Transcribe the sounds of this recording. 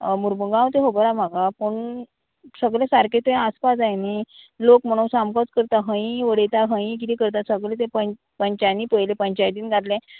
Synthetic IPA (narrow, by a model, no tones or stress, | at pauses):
muɾbəɡãwt̪eɦobəɾam̤aɡapəɳ | səɡlesaɾket̪ẽaspad͡zajne | lokm̤əɽ̃ũwsamkɔt͡skəɾt̪aɦə̃ĩʋəɽet̪aɦə̃ĩk̬it̪ikəɾt̪̬asəɡɭẽt̪̬ẽpə | pəɲt͡ɕajniːpəjlepəɲt͡ɕajt̪iːnɡʱaʈ̪lẽ